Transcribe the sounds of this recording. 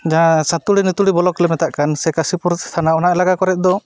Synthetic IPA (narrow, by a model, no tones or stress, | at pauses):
d͡ʒaasãt̪uɽinit̪uɽibɔlɔklɛmɛt̪aʔkansɛkasipuɾt̪ʰanaɔnaʔɛlaɡakɔɾɛt̪̚d̪ɔ